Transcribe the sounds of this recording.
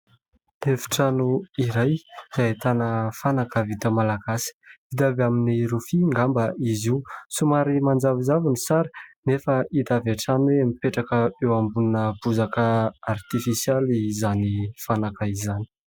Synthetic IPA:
efi̥ʈ͡ʂanuiɾajz̥ait̪anəfanakəvit̪əmalaɡasi̥vid̪avamineɾufiŋɡambəʔiziusumaɾimand͡zavizavinisaɾənefəid̪avaʈ͡ʂanweamipeʈ͡ʂakəewambuninəbuzakəart̪ifisjalizanifanakəizani̥

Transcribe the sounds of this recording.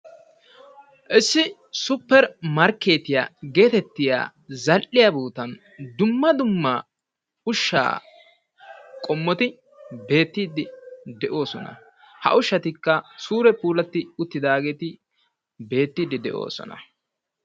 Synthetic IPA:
ʔɪsːɪ | sʊpːɛɾmɐɾkːe̞ːt̪ɪja̰ːɡe̞ːt̪ɛt̪ːɪja̰ː | zɐlʔɪjabuːt̪ɐn | d̪ʊmːɐd̪ʊmːɐ | ʊʃːa̰ː | kʼɔmːɔt̪ɪ | be̞ːt̪ːiːd̪ɪd̪ɛʔo̞ːsɔnɐ̰ | hɐ̰ʔʊʃːɐt̪ɪkːɐsuːɾɛpuːlɐt̪ːɪʊt̪ːɪd̪aːɡe̞ːt̪ɪ | be̞ːt̪ːiːd̪ɪd̪ɛ̰ʔo̞̰ːsɔ̰nɐ̰

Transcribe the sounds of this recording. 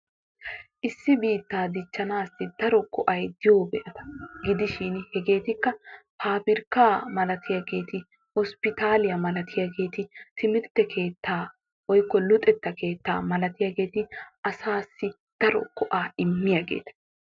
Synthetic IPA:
ʔɪsːɪbiːt̪ːaːd̪ɪt͡ʃːɐnaːsːɪd̪̥ɐɾɔkɔʔɐjd̪ɪjoːbɛʔɐt̪ɐ̥ɡɪd̪ɪʃinhɛɡe̞ːt̪ɪkːɐpʰaːpɪɾkaːmɐlɐt̪ʰɪjaɡe̞ːt̪ɪ | hɔspɪt̪aːlɪjɐmɐlɐt̪ɪjaɡe̞ːt̪ɪt̪ɪmɪɾt̪ːɛkʰe̞ːt̪ʰːaː | wɔjkːɔlʊt̪ʼɛt̪ːɐke̞ːt̪ːa̰ːmɐlɐt̪ɪjaɡe̞ːt̪ɪʔɐsaːsːɪ | d̪̥ɐɾɔ̰kɔʔaːɪmːɪjaɡḛːt̪ɐ̥

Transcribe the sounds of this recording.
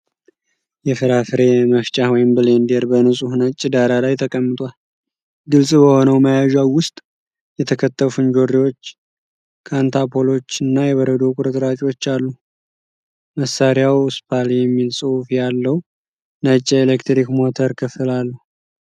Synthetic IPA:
jɛfɨɾafɨɾe̞məft͡ʃʼawɔjɪmbɨlend̪eɾbənɨsʼuhnət͡ʃʼːɪd̪aɾalajt̪ʰəkʼəmːɨt̪ʼwal | ɡɨlsʼbəho̞nəwməjaʒawʊst̪ʼ | jɛt̪ʰəkʰət̪ːəffund͡ʒo̞ɾiwo̞t͡ʃː | kʰant̪ʰapʰo̞lo̞t͡ʃːɨnːajɛβəɾəd̪o̞kʼuɾət̪ʼɾat͡ʃʼwo̞t͡ʃːalːu | məsːaɾjawspʰaljɛmːilsʼɨwufjalːəw | nət͡ʃʼːelekt̪ɾikmo̞t̪ʰəɾkʰɨfɨlalːuh

